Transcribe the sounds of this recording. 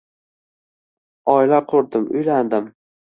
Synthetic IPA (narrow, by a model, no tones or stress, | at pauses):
ɒjlaqʰoɾd̪ɪmʊ̰jland̪ɪm